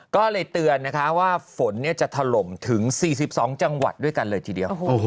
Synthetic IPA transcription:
kɔː˥˩lɤː˧jt̪ɯ˧ənːa˦˥kʰa˦˥waː˥˩fo˩˦nːi˥˩ɐt͡ɕa˨˩ʔt̪ʰa˧lo˨˩mt̪ʰɯ˩˦ŋsiː˨˩s̬i˨˩p̚sɔː˩˦ŋt͡ɕa˧ŋwa̰˨˩t̪̚du˥˩əjka˧nlɤː˧jt̪ʰiː˨˩di˧əwo˨˩

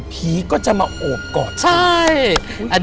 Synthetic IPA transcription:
pʰiː˨˦kɔː˥˩t͡ɕa˨˩maː˧ʔoː˨˩p̚kɔː˨˩nt͡ɕʰa˧˥˩j | ʔa˧

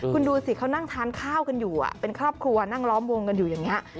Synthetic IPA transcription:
kkʰu˧nduː˧si˨˩kʰa˦˥wna˥˩ŋt̪ʰaː˧˥nkʰaː˥˩wka˧njuː˨˩ʔa̰˨˩pe˧nkʰɾɔː˥˩p̚kʰɾu˧ɐna˥˩ŋlɔː˦˥mwo˧ŋka˧njuː˨˩jaː˨˩ŋːi˦˥ɐʔ

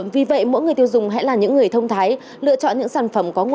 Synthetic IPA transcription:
vi˨˩və̰˧˨jmo̰˧˥jŋɨ˨˩əjt̪i˧wzʊ˨˩ŋ͡mɦɛ̰˧˥laː˨˩ɲɨ̰˧˥ŋːɨ˨˩əjt̪ʰə˧wŋ͡mt̪ʰaː˨˦j | lɨ̰˧˨ət͡ɕɔ̰˧˨nɲɨ̰˧˥ŋsaː˧˩nfə˧˩mkɔ˨˦ŋw

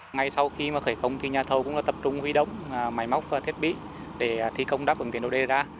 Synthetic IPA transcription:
ŋa˧˩jsa˧wxi˧maː˨˩xəː˧˩jkə˧wŋ͡mt̪ʰi˧ɲaː˨˩t̪ʰə˨˩wkʊ̰˧˥ŋ͡mlaː˨˩t̪ə˨˩p̚t͡ɕʊ˧ŋ͡mhwi˧ɗə̰˧˨wŋ͡mma˨˩jma˦˥wk͡p̚ːt̪ʰi˦˥ət̚ɓḭ˧˨ | ɗe˧˩˨t̪ʰi˧kə˧wŋ͡mɗaː˦˥p̚və˨˩t̪i˨˩˨ɗo̰˧˨ɗe˧zaː˧

